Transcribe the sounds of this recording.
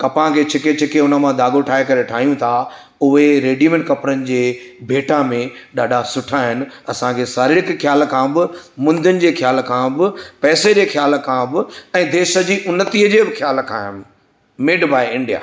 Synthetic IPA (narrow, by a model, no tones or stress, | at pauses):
kɐpãkʰeːt͡ɕʰɪket͡ɕʰɪkeʊnəmãd̪aːɡoʈʰaːɦekɐɾeʈʰaːɦijũt̪ʰa | ʊɦeɾeːɖimẽɳʈkɐpɾənɪ̆d͡ʑeːbʱeːʈamẽɗaːɖʱasʊʈʰaɦɪnɪ̆ɐsãkʰesaːɾɪɾɪkxjaːlkʰãbɪmʊ̃nd̪ʱɪnɪ̆d͡ʑeːxjaːlkʰãbɪpɛːsed͡ʑeːxjaːlkʰãbɪɛ̃ːd̪eːʃə̆d͡ʑiːʔʊnːət̪iːəd͡ʑeːbɪxʰjaːlkʰã̰ːɦɪnɪ | meːɖbʱaːɪɪ̃ɳɖija̰ː